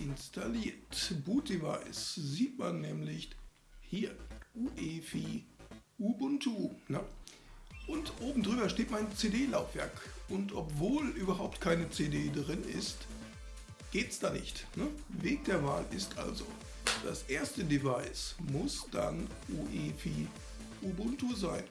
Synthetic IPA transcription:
ʔɪnstʰaliːɐtbuːt̚d̥eva̰ɪsziːtmanːɛːmlɪç | hiːɐʔuːʔeːfiːʔuːbʊntʰunə | ʔʊntʔoːbm̩dʁyːbɐʃteːtmaɪnt͡sedeːlaʊfv̥ɛ̰ɐkʔʊntʔɔpv̥oːlʔyːbɐɦaʊp̚tkʰaɪnət͡sedeːdʁɪnɪ̰st | ɡ̥eːtsd̥aːnɪçtnəveːk̚d̥eːɐva̰ːlʔɪstʔa̰lzo̰ | d̥a̰sʔeːɐstədevaɪsmʊsd̥a̰nʔuːʔeːfi | ʔubʊntuzaɪn

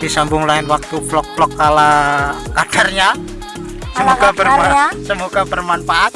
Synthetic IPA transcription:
d̥isambʊŋlaɪnwak̚t̪uflɔk̚flɔkːalaad̥arɲa | səmuɡabərasəmuɡab̥ərmanfaʔat̪̚

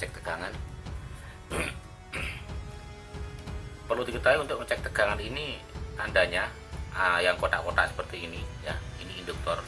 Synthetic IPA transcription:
ɛk̚t̪əɡ̥aŋan | pərludikət̪aɦuunt̪ʊk̚ət͡ʃɛk̚t̪əɡ̥aŋaniniandaɲa | əjaŋkot̪a̰ʔkotaʔsə̥pərt̪iːnijainiːndʊk̚t̪ɔr

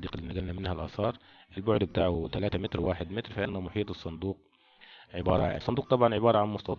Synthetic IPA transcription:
d̪iːqlːinaɡælnæmɪnhælʔɑ̰sˤɑːɾˤ | ʔɪlbʊʕd̪bɪt̪aːʕut̪alaːt̪amɪt̪ɾwaːħɪd̪mɪt̪ɾfaʔɪnːæmʊħiːt̪ˤɨsˤːɑnd̪uːq̚ | ʕɪbɑ̰ːɾˤɑ̰sˤːɑnd̪uːq̚t̪ˤɑbʕɑnʕɪbɑːɾˤɑʕanmʊst̪ɑt̪

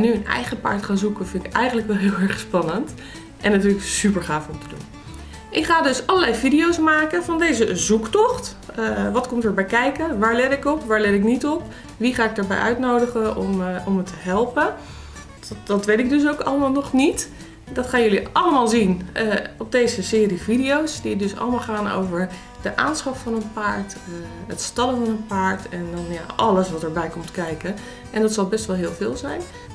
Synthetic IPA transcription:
nːyənɛ̰jχəpa̰ːɹtχaːnzukənvɪnɪkɛjχəntləkʋɛlˠɦɪːlˠɛɹχspɑnənt | ʔɛnatyːləksypəɹχaːfɔmtədṵn | ʔɪkχaːdɵsɑləlɛjvidijowsmaːkəvɑndejzəzuktɔχtː | ʋɑtkɔmtəɹbɛjkɛjkənʋaːɹlɛtɪkɔpʋaːɹlɛtɪknitɔp | ʋiχaːɪk̚dəɹbɛ̰jʔœɥtnowdəχəɔmɔmətəɦɛlˠpə | dɑtʋejtɪɡ̚dɵs̬owkɑləmaːlˠnɔχnit | dɑtχaːnjɵliɑləmaːlˠzinɔb̚dejzəsɪːrividijowsdidɵsɑ̰ləmaːlˠχaːno̰wvəɹ | d̥əʔa̰ːnsχɑffɑnənpaːɹtətstɑləvɑnənpaːɹtɛndɑnjaɑləsʋɑtəɹbɛjkɔmtkɛjkə | ʔɛndɑtsɑlˠbɛstʋɛlˠɦɪːlˠvɪːlˠzɛjn

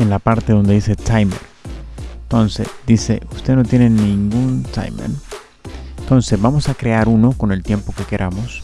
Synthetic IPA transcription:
enlapaɾt̪e̞ðo̞nd̪eðiset̪ʰajmeɾ | t̪o̞nsesd̪ise̞̰ust̪e̞ðno̞t̪je̞nenĩŋɡunt̪a̰jmḛɾ | t̪o̞nse̞zβamo̞sakɾe̞aɾuno̞ko̞ne̞lt̪je̞mpo̞ke̞ke̞ɾʔamos

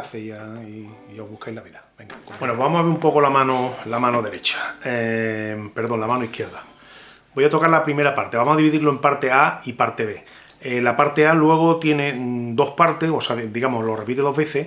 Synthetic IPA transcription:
θejaioɦβuhkajlaβiðabeŋɡabwenoβamosaβeɾumpo̞ko̞lamãnolamãno̞ðe̞ɾe̞t͡ʃḁe | pe̞ɾðo̞nlamanoihkje̞ɾða | bo̞jat̪o̞kaɾlapɾime̞ɾapaɾt̪e̞βamohaðiβiðiɾlo̞e̞mpaɾt̪e̞aipaɾt̪e̞βe̞ | elapaɾt̪e̞alwe̞ɣ̞ot̪jene̞d̪o̞hpaɾt̪ehosaðd̪iɣamohlo̞re̞pit̪eðo̞ɦβe̞θe

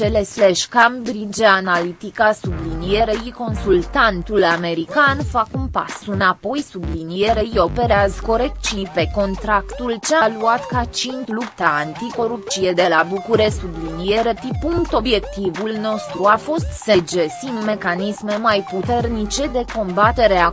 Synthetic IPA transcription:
t͡ʃelesleʃkambɾid͡ʒeanalit̪ikasublinijeɾeiko̞nsult̪ant̪ulame̞ɾikanfakunpa̰sunapo̞jsublinieɾeijo̞pe̞ɾeazko̞ɾek̪t͡ʃipe̞ko̞nt̪ɾakt̪ult͡ʃealuat̪kat͡ʃint̪lupt̪aant̪iko̞ɾup̪t͡ʃied̪e̞labukuɾessublinijeɾe̞pipuŋkt̪o̞bje̞kt̪ivulno̞st̪ɾuafo̞st̪sed͡ʒesimme̞kanisme̞majput̪e̞rnit͡ʃe̞d̪e̞ko̞mbat̪e̞ɾea

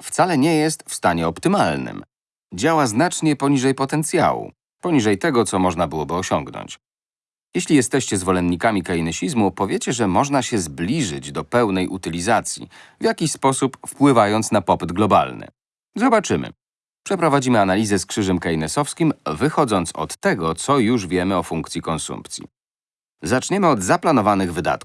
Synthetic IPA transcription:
ft̪salɛɲɛjɛst̪fst̪aɲɛɔpt̪ɘmalnɘ̰m | d͡ʑawaznat͡ʂɲɛpɔɲiʐɛjpɔt̪ɛnt̪sʲja̰wṵ | pɔɲiʐɛjt̪ɛɡɔt̪sɔmɔʐnabɘwɔbɘɔɕɔŋɡnɔ̰ɲʲt͡ɕ | jɛɕlʲijɛst̪ɛɕt͡ɕɛzvɔlɛnɲːikamʲikainɛɕizmupɔvʲjet͡ɕɛʐɛmɔʐnaɕɛzblʲiʐɘd͡ʑd̪ɔpɛwnɛjʔut̪ɘlʲizat̪sʲjḭvʲjakʲiɕspɔsupfpwɘvajɔnt̪snapɔpɘd̪ɡlɔba̰lnɘ̰ | zɔbat͡ʂɘmɘ̰ | pʂɛpɾɔvad͡ʑimɘanalʲizɛskʂɘʐɛmkainɛsɔfskʲimvɘxɔd̪zɔnt̪sɔ̰t̪ːɛɡɔt̪sɔjuʐvʲjɛmɘɔfuŋkt̪sʲjikɔnsṵmpt̪sʲḭ | zat͡ʂɲɛmɘɔd̪zaplanɔvanɘɣvɘd̪a̰t̪̚ku̥

